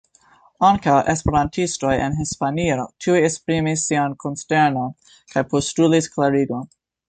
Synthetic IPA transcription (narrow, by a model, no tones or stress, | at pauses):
aŋkawʔe̞spe̞ɾantʰisto̞jenɦispaniotʰiujespɾimisːiankʰonste̞ɾnon | kʰajpostulisklaɾiɡo̞n